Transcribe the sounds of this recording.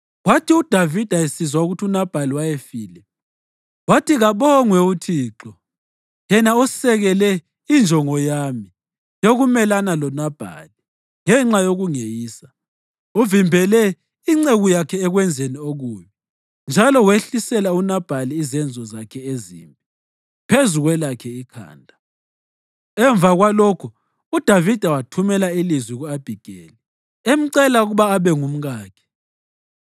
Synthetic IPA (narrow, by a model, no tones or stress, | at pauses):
watʰiud̥ʱavid̥ʱaesizwauɣutʰunab̥ʱaliwajefiːlɛ | watiɣaβɔŋwɛutʰiːǁɔ | jɛnaɔsɛɣɛlɛ | ind͡ʒʱɔŋɔjaːmi | joɣumɛlanalɔnab̥ʱa̰li | ŋɛŋ͡ǁajoɣuŋejiːsa | uvimbʱɛlɛ | iŋ͡ǀeɣujakʰɛːɣwɛnd͡zʱenioɣuːmɔ | nd͡ʒʱalɔweɬisɛlaunab̥ʱaliːzɛnd͡zʱɔzakʰɛezḭːmbʱʼi | pʰezuɣwɛlakʰɛikʰa̰ːndʱa | ɛɱvʱaɣwalɔkʰu | ud̥ʱavid̥ʱawatʰumɛlailizwiɣuab̥ʱiɡ̥ʱeːli | em̩ǀɛlauɣuβaːβɛŋum̩ɣaːkʰɛ̥